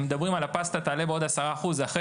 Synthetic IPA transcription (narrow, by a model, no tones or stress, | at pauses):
med̪abʁimalapast̪at̪aːle̞beo̞d̪asaʁaːχuzaχe